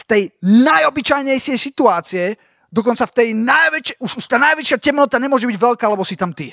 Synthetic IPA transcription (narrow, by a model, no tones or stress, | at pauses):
st̪ɛjnajɔbit͡ʃajɲɛjʃɪɛjsit̪uaːt͡siɛ | d̪ɔkɔnt͡saft̪ɛjnajʋɛt͡ʃɛuʃuʃt̪aːnajʋɛt͡ʃɪacɛmnɔt̪aɲɛmʊɔʒɛbiɟʋɛʎkaːlɛbɔsit̪amt̪i